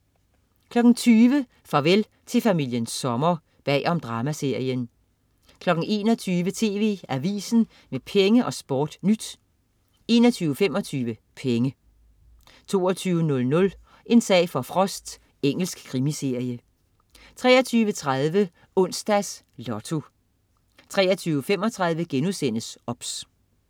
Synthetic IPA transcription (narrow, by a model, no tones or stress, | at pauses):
kʰlɒ̽ɡ̥n̩t͡sʰyːʋə | fɑ̈ʋel | t͡sʰe̝fæmil̰jənsːɒ̽mɐ | b̥ɛ̰ːʔɒ̽md̥ʁɑ̈ːmæse̝ɐ̰jən | kʰlɒ̽ɡ̥n̩e̝ːnɒ̽t͡sʰyːʋət͡sʰe̝ːʋe̝̰ːæʋḭːsn̩ | mepʰeŋəʔɒ̽sb̥ɒ̰ːd̥nyd̥ | e̝ːnɒ̽t͡sʰyːʊəfemɒ̽t͡sʰyːʋəpʰeŋə | t͡sʰo̝̰ːɒt͡sʰyːʊənɔ̽lnɔ̽l | ʔe̝nsɛ̰ːɪfɒ̽fʁɒ̽sd̥ | eŋ̰l̩sɡ̥kʰːʁimise̝ɐ̰jə | t͡sʰʁɛ̰ːɒt͡sʰyːʋət͡sʰʁaðˠʋə | ɔ̽n̰sd̥æs | lɒt͡sʰo̝ | t͡sʰʁɛ̰ːɐt͡sʰyːʊəfemɒ̽t͡sʰʁäð̞ˠʋəɡ̥enusen̰əsɒ̽b̥s